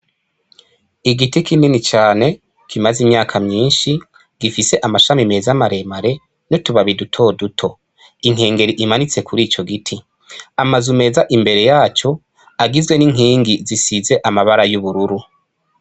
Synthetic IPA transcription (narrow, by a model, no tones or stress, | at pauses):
iɡitikininit͡ʃaːne̞ | kimazimɲaːkʰamɲiːnʃi | ɡ̥ifise̞ʔamaʃamime̞zamaɾe̞maɾe̞ | notuβaβidutʰo̞ːdutʰo̞ | iŋ̥e̞ːŋɡe̞ɾiʔimanit͡se̞kʰuɾiːt͡ʃo̞ɡitʰi | amazume̞zaʔimbe̞ɾe̞jaːt͡ʃo̞ | aɡizɡwe̞niŋ̥ɦiːŋɡizisize̞ʔamaβaɾajuβuɾuɾu